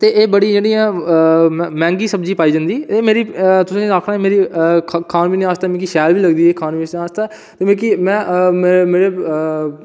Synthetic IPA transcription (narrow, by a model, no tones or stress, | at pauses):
t̪eːʔeːbəɽiːd͡ʒeːɽĩːãː | mɛ̃ːŋɡiːsəbd͡ʒiːpaːiːd͡ʒãnd̪iːeːmeːɾiːt̪ʊsãːaːkʰɾãːmeːɾiːkʰaːnbiːnĩaːst̪aːmɛ̃ːk̬iʃɛːlʋiːləɡd̪iːekʰaːnisaːst̪aː | t̪eːmẽːkimɛ̃ːmeːɾeː